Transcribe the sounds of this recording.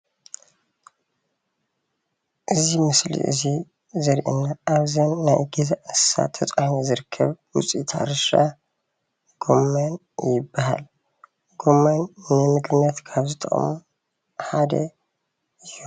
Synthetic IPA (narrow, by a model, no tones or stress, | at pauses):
ʔɨzimɨslḭʔɨ̰zi | zɐɾʔɨ̰nːaaβzɐnːajɡizaʔɨsa̰t̪ʰɐt͡sʼamozɨɾɨkʰːɐβwut͡sʼit̪ʰa̰ɾɨʃa̰ | ɡ̥omːan | jɪbːaɦa̰l | ɡomːannɨmɨɡɨnːɐt̪kʰaβzɨt̪ʼʰɐ̰χʼmu | ħad̪ɐ̰ | ɨju